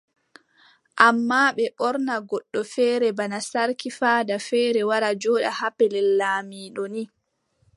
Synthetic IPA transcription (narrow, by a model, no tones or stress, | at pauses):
ʔamːaːɓɛʔɔɾnaɡɔɗːɔfɛːɾɛbanasaɾkifaːdafɛːɾɛwaɾad͡ʒɔːɗa̰hapɛlɛlːaːmiːɗɔni